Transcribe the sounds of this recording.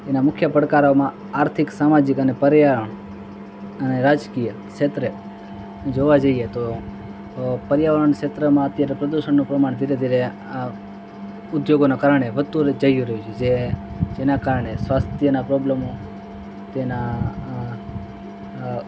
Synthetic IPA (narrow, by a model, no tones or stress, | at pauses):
enamʊkʰjəpəɾkaɾomã | aɾt̪ʰɪksamad͡ʒɪkənepəɾjaʋəɾəɳ | əneɾad͡ʒkijə | ʃet̪ɾe | d͡ʒoʋad͡ʒəiet̪o | pəɾjaʋəɾəɳkʃet̪ɾəmãət̪jaɾepɾəd̪uʃəɳnũpɾəmaɳ̃d̪ʱiɾed̪ʱiɾe | a | ʊd̪joɡonakaɾəɳeʋəst̪ud͡ʒəjũɾəɦut͡ʃʰed͡ʒed͡ʒenakaɾəɳesʋast̪ʰjənapɾoblemo | t̪ena